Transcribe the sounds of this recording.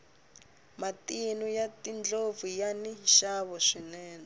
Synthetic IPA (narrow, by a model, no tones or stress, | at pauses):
matinujatind͡ɮovujaniʃaβɔʂinɛːna